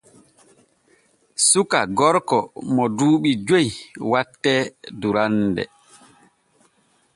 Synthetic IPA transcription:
sukaɡɔɾkɔmɔduːɓid͡ʒojwatːɛduɾandɛ̰

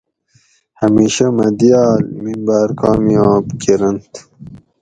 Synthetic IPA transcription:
hɐmiːɕɐmɐd̪ijɑːlmimbaːɾkʰɑːmiɑ̃ːbkeɾɐnt̪

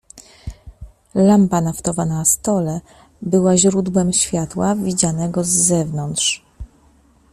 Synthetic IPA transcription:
lampanaft̪ɔvanast̪ɔlɛ | bɘwaʑɾud̪wɛmɕfʲjat̪wavʲid͡ʑanɛɡɔzːɛvnɔnt̪ʂ

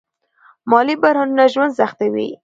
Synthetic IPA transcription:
mɑlibaɾhɑnunaʒwand̪saxt̪awḭ

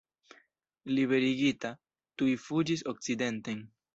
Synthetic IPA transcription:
liβe̞ɾiɡita | tujfud͡ʒis̬o̞k̚t͡side̞nten

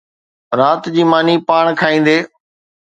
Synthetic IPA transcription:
ɾaːt̪d͡ʑiːmaːniːpaːɳ̃kʰaːĩːn̆d̪eː

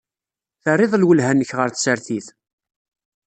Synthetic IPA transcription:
θərˤːeðˤlwəlɦænːəçʁəɾθsəɾθiθ

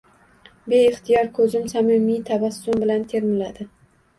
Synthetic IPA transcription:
be̞ɪχt̪ʰijɒɾkʰɵzɪmsamɪmit̪ʰabasːʊmbɪlant̪ʰe̞ɾmɪlad̪̥ɪ

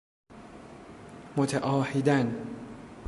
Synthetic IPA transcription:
mot̪ʰeʔɒːhed̪æn

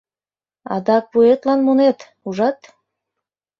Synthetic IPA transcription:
ɑ̰d̪ɑk̚puet̪lɑnmonet̪ | uʒɑt̪

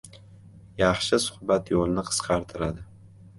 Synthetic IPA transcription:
jɑχʃɪsʊ̥χbat̪jolˠnɪqʰə̥sqʰɑɾt̪ʰɪɾad̪ɪ

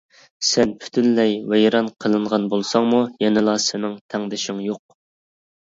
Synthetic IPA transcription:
sɛnpʰy̥t̪ʰynlɛjvejɾɑnqʰəlˠɨɴʁɑnbolˠsɑŋmujɛnɪlˠɑsɪnɪŋt̪ʰɛŋd̪ɪʃɪŋjoq̚

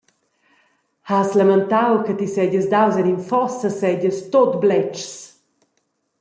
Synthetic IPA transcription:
haslamənt̪awkət̪isɛɟəsd̪awzɛninfɔsəsɛɟəst̪ot̪blɛt͡ʃs

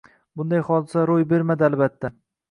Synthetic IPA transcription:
bʊnd̪ajχɒd̪ɪsaɾojbe̞ɾmad̪ɪalbat̪ʰːa

